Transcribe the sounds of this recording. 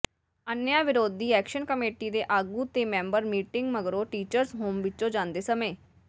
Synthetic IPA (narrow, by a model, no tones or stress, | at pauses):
ənjãːʋɪɾoːd̪ːiːɛːkʃənkəmeːʈiːd̪eːʔaːɡuːt̪eːmɛ̃ːmbəɾmiːʈɪŋɡməɡɾoːʈiːt͡ʃəɾzɦoːmʋɪt͡ʃõːd͡ʒãːnd̪eːsəmeː